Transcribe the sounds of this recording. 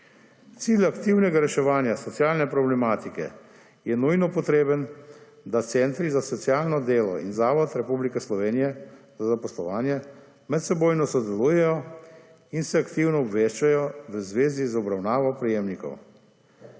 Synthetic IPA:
t̪siːlakt̪iwnɛɡaɾɛʃɛʋaːnjasɔtsjaːlnɛpɾɔblɛmaːt̪ikɛ̰ | jɛnujnɔpɔt̪ɾeːbən | d̪at̪sɛnt̪ɾizasɔt̪sjaːlnɔd̪eːlɔ̰ḭnzaːʋɔt̪ɾɛpublikɛslɔʋeːnijɛ | zazapɔslɔʋaːnjɛ | mɛt̪sɛboːjnɔsɔd̪ɛlujɛjɔ | insɛakt̪iwnɔɔbʋeːʃt͡ʃajɔʋəzʋeːzizɔbɾawnaːʋɔpɾɛjeːmnikɔ̰w

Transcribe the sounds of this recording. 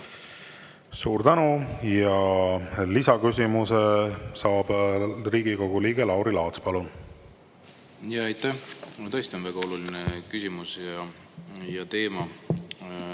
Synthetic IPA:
suːɾt̪ænujɑ | lisɑkys̬ʲimusesɑːb̥riːɡ̥iko̞ɡ̥uliːɡ̥e̞lɑwɾilɑːt̪spɑlun | jɑejt̪ːæt̪ɤ̞jst̪ionvæɡ̥ɑo̞lulinekysʲimusjɑ | jɑt̪e̞ːmɑ

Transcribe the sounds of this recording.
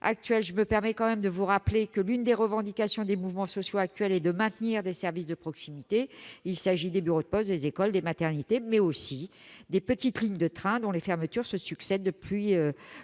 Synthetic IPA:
ʔa̰k̚t̪ɥɛlʒəməpɛʁmɛkɑ̃mɛmd̪əvuʁaplekəlynd̪eʁəvɑ̃d̪ikasjɔ̃d̪emuvmɑ̃sɔsjoak̚t̪ɥɛlɛd̪əmɛ̃t̪niʁd̪esɛʁvisd̪əpχɔksimit̪eilsaʒid̪ebyʁod̪əpɔsd̪ezekɔld̪emat̪ɛʁnit̪emɛosid̪epət̪it̪liɲd̪ət̪χɛ̃d̪ɔ̃lefɛʁmət̪yʁsəsyksɛd̪ːəplɥiø

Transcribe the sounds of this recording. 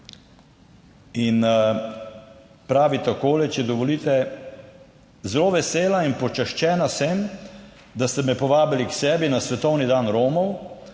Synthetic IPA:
in | pɾaːʋit̪akoːlɛt͡ʃɛd̪ɔʋɔliːt̪ɛ | zɛloːʋɛseːlainpɔt͡ʃɛʃt͡ʃɛːnasɛm | d̪ast̪ɛmɛpɔʋaːbiliksɛːbinasʋɛt̪ɔwnid̪aːnɾoːmɔw

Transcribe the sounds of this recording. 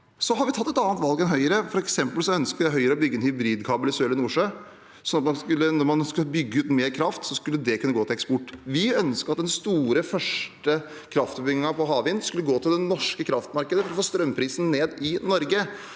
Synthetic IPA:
sɔɦɑɾʋɪt̪ʰɑt̪ːɛt̪ɑːnt̪ʋɑlɡɛnɦœʏəɾəfɔɾɛksɛmpəlsɔœnskəjæɪɦœʏəɾəɔbʏɡːəɛnhʏbɾiːd̪kʰɑːbəlɪsøːlɪnuːʂøː | sɔnːɑt̪mɑnskʉlːənɔɾmɑnskʉləbʏɡːəʉːt̪meːɾkʰɾɑft̪sɔskʉlːəd̪ɛkʉnːəɡoːt̪ɪlɛkspɔʈːʋɪœnskəɑt̪̚d̪ɛnst̪uːɾəfœʂʈə | kʰɾɑft̪bʏɡɪŋɑpʰɔɦɑːʋɪnskʉlːəɡoːt̪ʰɪld̪ɛnɔʂkəkʰɾɑft̪mɑɾkəd̪əfɔɾɔfoːst̪ɾœmpʰɾiːsn̩neːd̪ɪnɔɾɡə

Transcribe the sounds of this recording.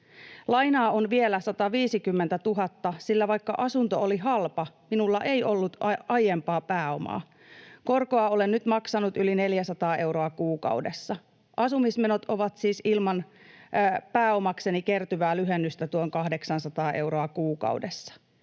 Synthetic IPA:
lɑjnɑːonʋielæsɑt̪ɑʋiːsikymːent̪æt̪uɦɑt̪ːɑsilːæʋɑjkːɑ̰ʔɑsunt̪ooliɦɑlpɑminulːɑʔe̞iʔo̞lːut̪ɑɑjempɑːpæːo̞mɑ̰ː | ko̞rkoɑolennyt̪mɑksɑnut̪yline̞ljæsɑt̪ɑːʔe̞wɾoɑkuːkɑ̰wdesːɑ | ʔɑsumismenot̪o̞ʋɑt̪siːsilmɑn | pæːo̞mɑkse̞nikert̪yʋæːlyɦenːyst̪æt̪uoŋkɑhdeksɑnsɑt̪ɑːʔe̞uɾoɑkuːkɑ̰wdesːɑ̥

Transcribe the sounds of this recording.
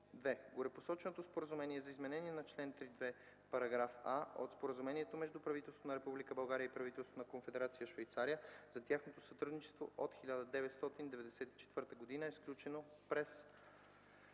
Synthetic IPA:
d̪vɛɡoɾɛposɔt͡ʃɛnot̪ospoɾəzumɛniɛzɐizmɛnɛniɛnɐt͡ʃlɛnt̪ɾid̪vɛ | pɐɾɐɡɾafao̰t̪spoɾəzumɛniɛt̪omɛʒd̪upɾɐvit̪ɛlˠsonəɾɛpublikəbɐlˠɡaɾiəipɾɐvit̪ɛlˠst̪vonɐkonfɛd̪ɛɾat̪sijəʃvɛjt̪saɾijəzɐt̪ʲjaxnot̪osɐt̪ɾud̪nit͡ʃɛ̥st̪vo̰ʔot̪xilʲad̪əd̪ɛvɛt̪st̪ɔt̪ind̪ɛvɛd̪ɛsɛt̪i̥t͡ʃɛ̥t̪vɤɾt̪əɡod̪inəɛsklʲut͡ʃɛno | pɾɛs

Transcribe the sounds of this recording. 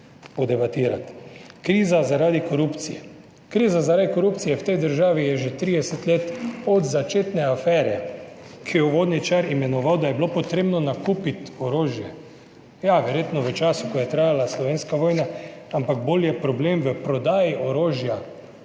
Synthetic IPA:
pɔd̪ɛbat̪iːɾa̰t̪kɾiːzazaɾad̪ikoɾupt̪sijɛ | kɾiːzazaɾaːd̪ikoɾupt̪sijɛwt̪ɛjd̪əɾʒaːʋijɛʒet̪ɾiːd̪ɛsɛt̪leːt̪ɔd̪zat͡ʃeːt̪nɛafɛːɾɛkʰijɛuʋoːd̪nʲɛt͡ʃaɾimɛnɔʋawd̪ajɛbilopɔt̪ɾeːbnɔnakuːpit̪ɔɾoːʒjɛ | jaʋɛɾjeːt̪nɔʋət͡ʃaːsukɔjɛt̪ɾaːjalaslɔʋeːnskaʋɔːjnaampaɡ̚boljɛpɾɔbleːmʋəpɾɔd̪aːjiʔoɾoːʒja

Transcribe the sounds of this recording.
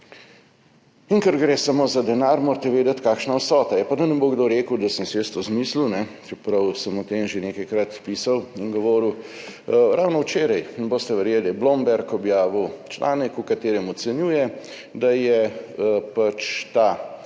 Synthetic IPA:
iŋkəɾɡɾeːsamoːzad̪ɛnaːɾmoːɾt̪ɛʋeːd̪ɛt̪kaːkʃnaɔsɔːt̪ajɛpad̪ɐnɛboɡd̪oɾeːkʊwd̪ɐsəmseːst̪ozmiːslunɛt͡ʃɛpɾɐwsəmɔt̪emʒeneːkɐjkɾat̪piːsawinɡɔʋɔːɾuw | ɾawnɔwt͡ʃeːɾɐjnɛboːst̪ɛʋɛɾjeːliblombɛɾkɔbjaːʋiwt͡ʃlʔa̰ːnɛkukat̪eːɾɛmɔt̪sɛnjuːjɛ | d̪ajɛ | pat͡ʃt̪a

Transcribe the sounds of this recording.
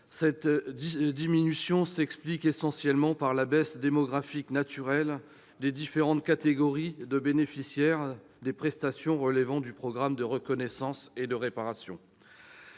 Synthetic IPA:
sɛt̪ | d̪iminysjɔ̃sɛksplikesɑ̃sjɛlmɑ̃paʁlabɛsd̪emɔɡʁafiknat̪yʁɛl | d̪ed̪ifeʁɑ̃t̪kat̪eɡɔʁid̪əbenefisjɛʁ | d̪epχɛst̪asjɔ̃ʁəlvɑ̃d̪ypχɔɡʁamd̪əʁəkɔnɛsɑ̃sed̪əʁepaʁasjɔ̰̃

